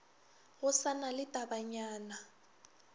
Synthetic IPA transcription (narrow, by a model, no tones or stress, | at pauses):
ɣʊsanalɪtʼabaɲaːna